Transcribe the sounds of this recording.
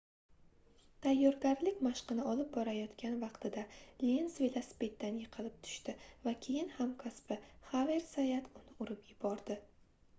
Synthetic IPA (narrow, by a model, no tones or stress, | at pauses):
t̪ʰajːɒɾɡʲaɾlɪkʲmaʃqɨnɪɒlɪp̚bɒɾajɒt̪kʲanvɑqt̪ʰɪd̪alnsvelaspe̞t̪ːanjɨqʰɨlˠɪp̚t̪ʰʊ̥ʃt̪ɪvakʲʰe̞jɪnhamkʰaspɪhaveɾsajat̪ʊnɪʊɾɪpjɪbɒɾd̪ɪ